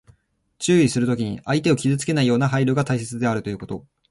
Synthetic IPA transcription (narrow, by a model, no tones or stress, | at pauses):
t͡ɕɨːisɨɾɯ̟t̪o̞kʲiɲ̟ḭait̪e̞o̞kʲizɨt͡sɨ̥ke̞naijo̞ːnaɦaiɾɯːɡat̪aise̞t͡sɨd̪e̞aɾɯ̟t̪o̞jɯ̟ko̞t̪o̞̰